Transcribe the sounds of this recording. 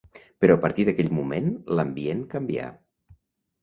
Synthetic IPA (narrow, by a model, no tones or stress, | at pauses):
pəɾɔəpəɾt̪iðəkɛʎmumenləmbienkəmbia̰